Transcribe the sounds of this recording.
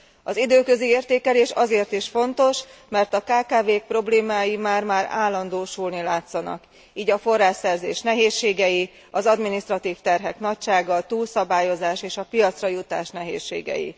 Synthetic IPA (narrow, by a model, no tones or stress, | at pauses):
ɒzid̪øːkøzieːrt̪eːkɛleːʃɒzeːrt̪iʃfo̞nt̪o̞ʃmɛrt̪ɒkaːkaːveːk̚pro̞bleːmaːjimaːrmaːɾa̰ːlːɒnd̪oːʃulnilaːt̪sɒnɒ̰k | iːɟɒfo̞rːaːʃɛrzeːʃnɛɦeːʃːeːɡɛji | ɒzɒd̪miniʃt̪rɒt̪iːft̪ɛrɦɛkn̪ɒc̚ʃaːɡɒt̪uːlsɒbaːjo̞zaːʃeːʃɒpijɒt̪srɒjut̪aːʃnɛɦḛːʃːḛːɡɛ̰jḭ